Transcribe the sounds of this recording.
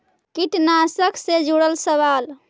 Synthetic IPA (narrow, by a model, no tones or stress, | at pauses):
kiʈnasəkʰsed͡ʒuɽəlsəβal